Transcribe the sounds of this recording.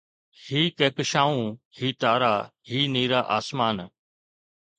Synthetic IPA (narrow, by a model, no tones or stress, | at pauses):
hiːkeːkəʃaːũː | hiːt̪aːɾaːhiːniːɾaːʔa̰ːsmaːn